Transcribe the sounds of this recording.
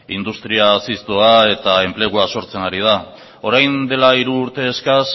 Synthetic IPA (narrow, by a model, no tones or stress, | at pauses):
ind̪ust̪ɾiasist̪oae̞t̪ae̞mple̞ɣ̞uaso̞ɾt͡se̞naɾið̞a | o̞ɾajnd̪e̞laiɾuːɾt̪e̞ːskas